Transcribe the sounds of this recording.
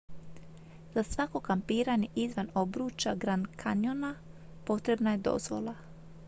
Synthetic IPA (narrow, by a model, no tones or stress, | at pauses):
z̥asʋako̞kampiːɾaɲeʔizʋanobɾuːt͡ʃaɡɾankʰaɲona | po̞t̪ɾe̞bnaje̞d̪o̞̰zʋo̞̰lˠa